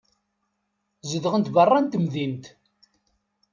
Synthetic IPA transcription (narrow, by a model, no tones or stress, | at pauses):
zəðəʁənt̪bərˤːɑnt̪əmðint̪